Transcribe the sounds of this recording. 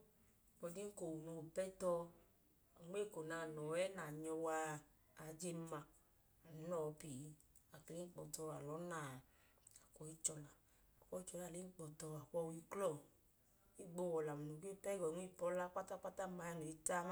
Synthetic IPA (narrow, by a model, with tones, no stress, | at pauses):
k͡pɔ˧d͡ʒi˦ŋ̩˦ko˨wu˨nu˧˨pɛ˦tɔ˧˨ | ŋ˦e˦˨ko˨na˧˨nɔ˨˦ɛ˦na˨ɲɔ˧waː˧˨ | d͡ʒe˧m˦ma˧ | a˨nu˨˦nɔ˦˨˧pi˨˦ | a˨ki˨li˦k͡pɔ˨tɔ˧a˨lɔ˨˦na˦˨ | a˨kɔ˨˦i˦t͡ʃɔ˧la˨ | a˨kʷɔ˧˦i˦t͡ʃɔ˧la˨le˨˦k͡pɔ˨tɔ˧a˨kɔ˧wi˧klɔ˦˨ | i˦˨ɡ͡bo˧˨wɔ˨la˨mu˨nu˨ke˦˨pɛ˦ɡɔ˨ŋʷe˦˨pɔ˦la˦k͡pa˦ta˦k͡pa˦ta˦ma˧ja˧˨no˨i˦ta˦